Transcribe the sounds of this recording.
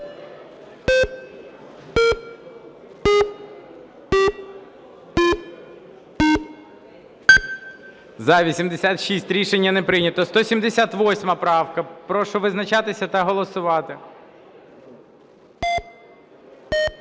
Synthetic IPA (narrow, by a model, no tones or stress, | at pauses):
zɐʋʲisʲimd̪esʲat̪ʃisʲtʲɾʲiʃenʲːɐnɛpɾɪnʲɐt̪ɔst̪ɔsʲimd̪esʲat̪ʋɔsʲmɐpɾɑwkɐpɾɔʃʊʋɪznɐt͡ʃɑt̪ɪsʲɐt̪ɐɦɔlˠɔsʊʋɑt̪ɪ